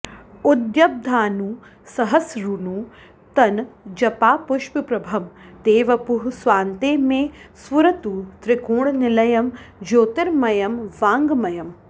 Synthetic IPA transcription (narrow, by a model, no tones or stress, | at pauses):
ud̪jɐb̚d̪ʱaːnuː | sɐɦɐsɾunuː | t̪ɐnd͡ʒɐpaːpuʃpipɾɐbʱɐmt̪eːʋɐpuɦsʋaːnt̪eːmeːsʋuɾɐt̪ut̪ɾɪkuːɳnɪlɐjɐmd͡ʒoːt̪iɾmɐjɐmʋaːŋɡmɐjɐm